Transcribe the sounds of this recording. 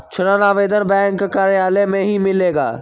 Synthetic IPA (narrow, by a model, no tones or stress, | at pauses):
t͡ɕʰʊnanaːʋeːd̪ənbɛ̃ːŋkːaːɾejaːlemẽɦimɪleːɡa̰ː